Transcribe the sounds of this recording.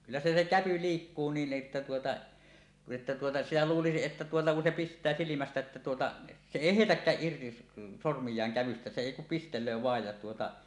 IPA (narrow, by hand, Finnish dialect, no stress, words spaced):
kylːæ se se kæpy liːkːuː niːn ʔetːæ tuotɑ etːæ tuotɑ sitæ luːlisiʔ ʔetːæ tuotɑ ku se pistˑæː silimæstæ ĕtːæ tuotɑ se eˑi heˑitækːæːʔ ʔirti sormijˑɑːŋ kæʋystæ se eˑi kum pistelˑøː ʋɑej jɑ tuotɑ